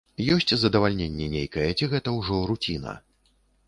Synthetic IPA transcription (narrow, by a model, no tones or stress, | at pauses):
jɔsʲt͡sʲzɐd̪ɐvalʲnʲenʲːɛnʲejkɐjɛt͡sʲiɣɛt̪ɐwʐɔɾut͡sʲinɐ̰